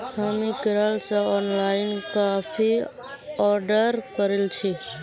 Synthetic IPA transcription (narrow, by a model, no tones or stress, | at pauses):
hamikɪɾalsaɔnlaɪnkafʰi | ɔɾɖəɾkəɾilt͡ʃʰi